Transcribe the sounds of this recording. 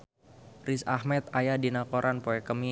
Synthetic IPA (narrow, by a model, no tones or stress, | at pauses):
risahmɛt̪̚ajadinakoɾʔanpoɛkəmi